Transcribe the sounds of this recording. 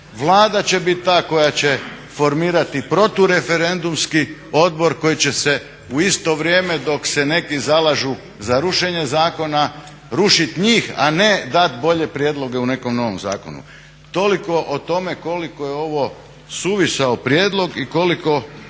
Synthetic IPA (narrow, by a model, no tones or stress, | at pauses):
ʋlˠaːd̪at͡ɕe̞bit̪̚t̪ːaːko̞jat͡ɕe | fo̞ɾmiːɾat̪ipɾo̞t̪uɾe̞feɾe̞nd̪umskio̞d̪̚bo̞ɾko̞jit͡ɕe̞se̞ | uist̪o̞ʋɾje̞ːme̞d̪o̞ksene̞kizalaʒu | zaɾuʃe̞ɲe̞zaːko̞na | ɾuʃit̪ɲiːxa̰ned̪at̪bo̞ʎe̞pɾjeːd̪lˠo̞ɡeune̞ko̞mno̞ʋo̞̰mza̰ːko̞̰nṵ | t̪o̞liko̞ʔot̪o̞me̞ko̞likojeo̞ʋo̞ | suʋisaopɾjeːd̪lˠo̞ɡiko̞liko̞